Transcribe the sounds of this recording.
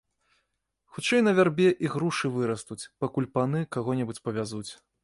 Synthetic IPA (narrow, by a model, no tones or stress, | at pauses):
xut͡ʂɛjnɐvʲarbʲɛʔiɣɾuʂɨvɨɾɐst̪ut͡sʲpakulʲpanɨkaɣɔnʲɛbut͡sʲpɐvʲazut͡sʲ